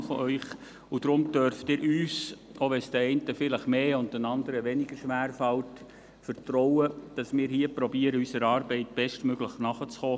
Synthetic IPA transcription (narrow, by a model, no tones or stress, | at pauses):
fə̰ʔœʏχ | ud̥ɾʊmd̥œɾftɪːɾʔyːsʔoʋɛsd̥̪əɛɪntəfɪləχmeːʊndənɑnd̪əɾəʋɛnɪɡəɾʃʋæːɾfɑlt | fərtɾɔwəd̥ɑsmɪːɾhiəpɾɔbiːəɾəysəɾɑːɾbɛɪtb̥ɛʃtmøɡləχnɑχət͡sχɔː